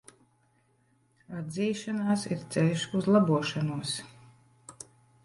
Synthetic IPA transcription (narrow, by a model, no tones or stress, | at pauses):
ad̪ziːʃanaːsiɾt̪sɛlʃuzlˠabuɔʃanuɔs